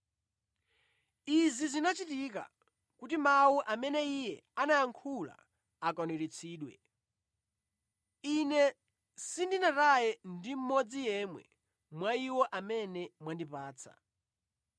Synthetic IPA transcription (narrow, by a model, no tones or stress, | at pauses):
izizinat͡ʃitika̰ | kutimawuʔamɛnɛijɛanajaŋkʰula̰ː | kɔnuɾit͡sʰiːɗwɛ̰ | inɛ | sindinatajɛndim̩mɔd͡zijɛmwɛ̰ | mwaiwɔʔamɛnɛmwandipaːt͡sʰa̰